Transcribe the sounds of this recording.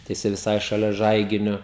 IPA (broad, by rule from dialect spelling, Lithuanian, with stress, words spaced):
tɐɪ jɪˈsɐɪ ʋʲɪˈsɐɪ ʃɐˈlʲɛ ˈʒɐɪɡʲɪnʲʊ